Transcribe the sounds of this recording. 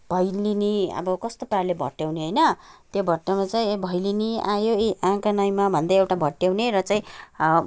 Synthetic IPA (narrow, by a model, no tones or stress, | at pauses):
bʱʌjliniʌ̰bʌkʌst̪oparlebʱʌ̰ʈːjawneɦʌjnʌt̪jobʱʌʈːjawnat͡saĩbʱʌjliniajoiʔãkanʌjmabʱʌnd̪ajewʈabʱʌʈjawneɾʌt͡saĩ